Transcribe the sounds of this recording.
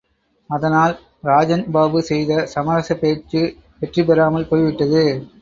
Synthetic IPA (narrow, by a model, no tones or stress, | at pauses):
ɐðɐnaːl | ɾaːd͡ʒɐnbaːbɯsɛjðɐsɐmɐɾɐsɐpeːt͡ʃːɯ | pɛʈripɛɾaːmɐlpoːjʋɪʈːɐðɯ